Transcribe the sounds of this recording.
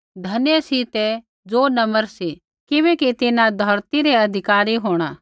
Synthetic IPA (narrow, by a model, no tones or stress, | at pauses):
d̪ʱɐnjəsit̪ɛ | d͡zoːnɐməɾsi | kɪβɛːkit̪ɪnãd̪ʱɐɾt̪iɾɛɐd̪ʱɪkaːɾiɦoːɽ̃a